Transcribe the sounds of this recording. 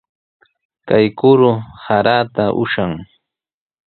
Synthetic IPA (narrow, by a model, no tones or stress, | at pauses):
kajkʊɾʊhaɾaːt̪aʔʊ̰ʃaŋ